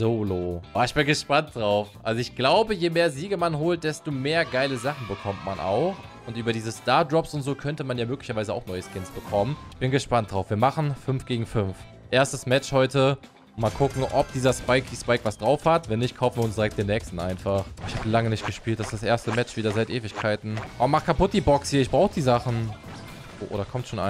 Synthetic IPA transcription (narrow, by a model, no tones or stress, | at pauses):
zoːloːʔaːɪçb̥ɪnɡəʃpant̚d̥ʁaʊfʔa̰lzoɪçɡ̥laʊbəjeːmeːɐziːɡəmanɦoːlt̚d̥ɛstomeːɐɡaɪləzaχn̩bəkʰɔmtma̰nʔa̰ʊx | ʊntʔyːbɐdiːzəstaːɐdʁɔpsʊntz̥oːkʰœntəmanjaːmøːklɪçɐvaɪzəa̰ʊxnɔʏəskɪnsb̥əkʰɔmənɪçb̥ɪnɡəʃpant̚d̥ʁaʊfviːɐmaχn̩fʏnfɡ̥eːɡŋ̩fʏnf | ʔeːɐstəsmɛt͡ʃhɔʏtə | maːlkʰʊkŋ̩ʔɔp̚d̥iːzɐspaɪkd̥iːspaɪkv̥asd̥ʁaʊfhatvɛnːɪçt̚kʰaʊfn̩viːɐʊnsd̥iʁɛk̚td̥eːnɛːkstn̩ʔaɪnfaχɪçhaːbəlaŋənɪçt̚ɡ̥əʃpiːltd̥asd̥asʔeːɐstəmɛt͡ʃv̥iːdɐzaɪtʔeːvɪçkʰaɪtn̩ʔɔ̰maχkʰapʊt̚d̥iːbɔkshiːɐɪçb̥ʁaʊxəd̥iːzaχn̩ | ʔoːʔoːɾɐkʰɔmtʃoːnʔa̰